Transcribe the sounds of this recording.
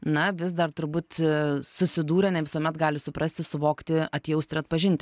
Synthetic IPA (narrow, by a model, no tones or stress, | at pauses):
nɐʋʲɪs̬d̪ɐrt̪ʊɾbuːt̪sʊsʲɪd̪uːɾʲɛnʲɛʋʲɪsuɔmʲɛt̪ɡɑːlʲɪsʊpɾɐsʲt̪ʲɪsʊʋoːkt̪ʲɪɐt̪ʲjɛʊsʲt̪ʲɪɾɐt̪̚pɐʒʲɪnʲt̪ʲɪ